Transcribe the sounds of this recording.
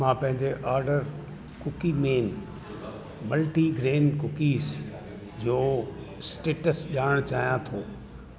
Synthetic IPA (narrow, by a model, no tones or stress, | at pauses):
mãːpɐ̃ɦɪ̃ɲd͡ʑeʔaːɾɖəɾ | kʊkimeːn | mɐlʈiɡɾeːnkʊkiːs | d͡ʑoː | sʈeːʈəsʄaːɽəɽ̃t͡ɕaːɦijãt̪ʰoː